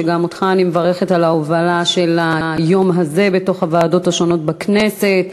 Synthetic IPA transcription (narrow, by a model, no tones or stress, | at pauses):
eɡamot̪χaːnimevaʁeχetalaovalaʃe̞lajo̞mɦaze̞be̞to̞χhavaːdo̞thaʃo̞no̞t̚bakne̞se̞t